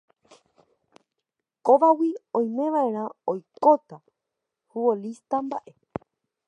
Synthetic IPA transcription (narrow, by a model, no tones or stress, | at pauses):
koʋawiõ̞j̃mẽ̞ʋaẽ̞ɾ̃ãojkot̪a | huwolist̪ambaʔe